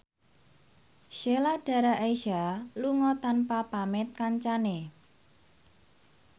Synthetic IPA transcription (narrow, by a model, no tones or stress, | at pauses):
ʃelaɖ̥a̤ɾaʔejʃaluŋɔt̪anpapamɪt̪̚kaɲt͡ʃane